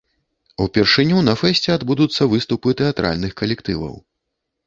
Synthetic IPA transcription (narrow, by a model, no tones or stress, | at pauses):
upʲɛrʂɨnʲunɐfɛsʲt͡sʲɛad̪bud̪ut̪sːɐvɨst̪upɨt̪ɛat̪ɾʔa̰lʲnɨxkɐlʲɛkt̪ɨvɐ̰w